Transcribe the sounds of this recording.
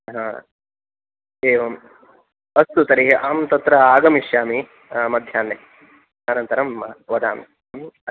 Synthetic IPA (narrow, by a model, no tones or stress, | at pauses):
ɦa | eːʋɐm | ɐst̪ut̪ɐɾiːɦʔaːmt̪ɐt̪ɾɐaːɡɐmiʃjaːmi | mɐd̪ʱjaːnːe | aːnɐnt̪ɐɾɐmɐʋɐd̪a̰ːmi | m